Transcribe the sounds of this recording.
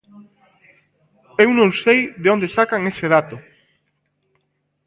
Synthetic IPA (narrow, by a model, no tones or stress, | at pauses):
ɛwnõŋsejðeond̪esakaŋeseð̞at̪o